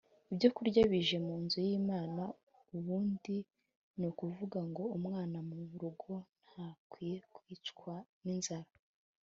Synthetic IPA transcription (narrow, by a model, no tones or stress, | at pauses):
ibɟo̞kuɾɟaβiʒe̞muːnzujiːmaːna | uβuːndi | nukuvuɡaŋɡo̞umŋaːnamuβuɾuɡo̞n̥hakwiːje̞kwiːt͡ʃkwaninzaɾa